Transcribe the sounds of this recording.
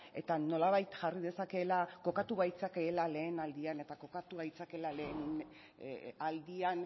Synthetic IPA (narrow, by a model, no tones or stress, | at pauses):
e̞t̪ano̞laβ̞ajt̪ʝarið̞e̞sake̞lako̞kat̪uβajt͡sakeːlale̞ːnald̪iane̞t̪ako̞kat̪uβajt͡sake̞lale̞ːnn | ald̪ian